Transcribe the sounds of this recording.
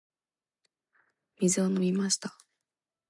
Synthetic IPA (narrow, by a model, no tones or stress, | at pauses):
mʲizɨanomʲimaɕi̥t̪ḁ